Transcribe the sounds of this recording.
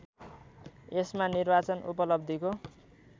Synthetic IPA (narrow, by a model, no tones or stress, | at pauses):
esmanirbat͡sʌnṵpʌlʌb̚d̪ʱiko